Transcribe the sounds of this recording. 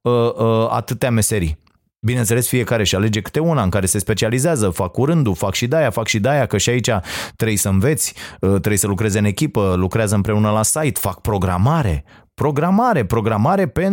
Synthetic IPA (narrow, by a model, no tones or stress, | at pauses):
əa̰t̪ɨt̪eame̞se̞ɾi | binent̪se̞le̞sfie̞kaɾe̞ʃale̞d͡ʒe̞kɨ̥t̪e̞unaɨŋkaɾe̞se̞spe̞t͡ʃializeazəfakːuɾɨnd̪ufakʃid̪ajafakʃid̪ajakəʃiait͡ʃat̪ɾejsəɨnve̞t̪sʲət̪ɾejsəlukɾe̞zeɨne̞kʲipəlukɾeazəɨmpɾe̞unəlasajt̪fak̚pɾo̞ɡɾa̰maɾe̞̰ | pɾo̞ɡɾamaɾe̞pɾo̞ɡɾamaɾe̞pe̞n